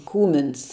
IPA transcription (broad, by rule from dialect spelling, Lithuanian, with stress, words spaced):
ˈkuːmʲɪns